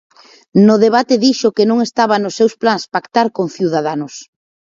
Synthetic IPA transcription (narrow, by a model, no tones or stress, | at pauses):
nʊðeβat̪eðiʃʊkenõŋest̪aβanʊsːewsplaŋspakt̪aɾkoŋθjiuðaðanʊs